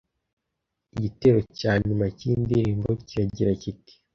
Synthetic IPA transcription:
iɟite̞ɾo̞caːɲumaciːndiɾiːmbo̞ciɾaɟiɾaciti̥

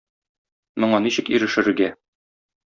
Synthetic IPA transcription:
mŏɴɑniɕɘkiɾɘ̆ʃɘ̆ɾɘ̆ɡæ

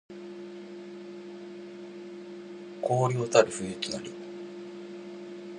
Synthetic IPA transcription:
koːɾʲoːt̪aɾɯ̟ɸɯet̪ɨnaɾʲi

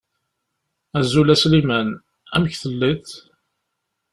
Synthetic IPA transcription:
æzulæslimæn | æ̰mçθəlːiθ

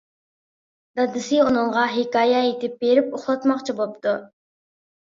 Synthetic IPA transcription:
d̪ɑd̪ɨsɨonɨɴʁɑɦikɑːjɛet̪ɪp̚beɾɪpoχlˠɑt̪mɑqt͡ʃʰibop̚t̪u

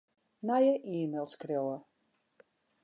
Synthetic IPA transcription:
najəʔiːmelˠskrjowə

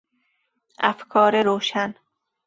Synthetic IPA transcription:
ʔæfkʰɒːɾeɾoːʃæn

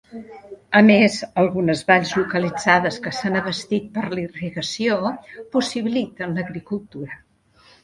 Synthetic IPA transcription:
əmezəlˠɣunəzβaʎʲzlukəlid͡zaðəskəsanəβəst̪it̪̚pəɾliriɣəsiopusiβilit̪ənləɣɾikulˠt̪uɾə

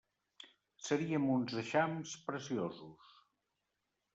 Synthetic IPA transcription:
səɾiəmunzəʃamspɾəsiozus

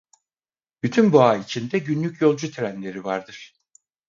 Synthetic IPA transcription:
b̥yt̪ʰynbuaːit͡ʃʰind̪ɛɟynlʲycʰjo̞lˠd͡ʒut̪ʰɾænlʲe̞ɾivaɾd̪ɯɾ̥

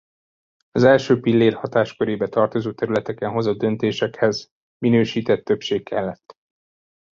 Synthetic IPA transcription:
ɒzɛlʃøːpilːeːrhɒt̪aːʃkøɾeːbɛt̪ɒrt̪o̞zoːt̪ɛɾylɛt̪ɛkɛnɦo̞zod̪̚d̪ø̞nt̪eːʃɛkhɛz | minøːʃiːt̪ɛt̪ːø̞pʃeːkːɛlːɛt̪ː

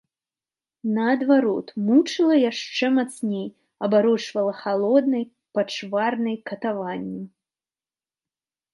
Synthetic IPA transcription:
nɐːd̪vaɾɔt̪mut͡ʂɨlˠɐjaʂt͡ʂɛmat̪snʲej | ɐbaɾɔt͡ʂvɐlˠɐxalˠɔd̪nɐj | pɐt͡ʂvarnɨjkɐt̪avanʲːi

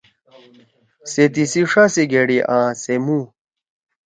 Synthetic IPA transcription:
set̪̬isiʂasiɡeɽiʔãːsemũ

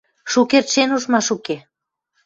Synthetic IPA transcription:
ʃukert̪ʃenuʃmɑʃuke

